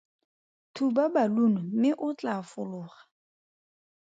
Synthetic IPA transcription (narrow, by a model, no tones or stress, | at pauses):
tʰubabalunɔmɪʔʊt͡ɬafʊlʊːχḁ